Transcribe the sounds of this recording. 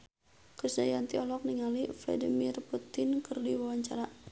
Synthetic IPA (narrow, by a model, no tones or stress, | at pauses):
kɾisnajant̪iɔlɔk̚niŋaliflɛ̰dimirput̪ɪnkɨrdiwawaɲt͡ʃa̰ɾa